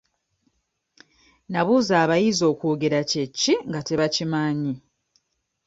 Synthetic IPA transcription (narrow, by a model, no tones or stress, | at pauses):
naβuːzaːβajizo̞ːkuoːɡe̞ɾace̞cːiŋɡate̞βacimaɲi